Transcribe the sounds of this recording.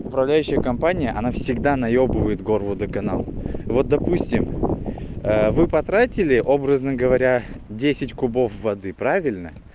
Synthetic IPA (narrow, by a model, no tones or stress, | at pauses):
ʊpɾɐvlʲæjʉɕːɪjəkɐmpanʲɪjəʔɐnafsʲɪɡd̪anɐjobɨvəjɪt̪ɡo̞rvʊd̪əkɐna̰lˠvo̞t̪̚d̪ɐpusʲtʲɪm | əvɨpɐt̪ɾatʲɪlʲɪʔo̞bɾəznɨmɡəvɐɾʲadʲesʲɪtʲkʊbo̞fvɐd̪ɨpɾavʲɪlʲnə